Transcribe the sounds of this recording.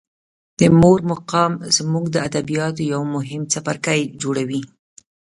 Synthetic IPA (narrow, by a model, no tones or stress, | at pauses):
d̪̥əmoɾmʊqɑmz̥muɡd̪əad̪abijɑt̪ojawmʊɦɪmt͡sapaɾkajd͡ʒoɽawi